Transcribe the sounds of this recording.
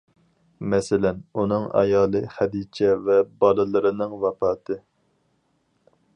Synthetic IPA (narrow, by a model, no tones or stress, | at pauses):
mɛsɪlɛnunɨŋɑ̰jɑːlˠɨχɛd̪iːt͡ʃʰɛvɛbɑlˠɨlˠɨɾɨnɨŋvɑpɑːt̪ʰɨ